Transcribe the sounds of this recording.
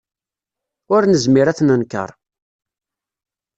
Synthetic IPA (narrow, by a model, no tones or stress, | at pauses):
ʊɾnəzmiɾæθnənkːə̰ɾˤ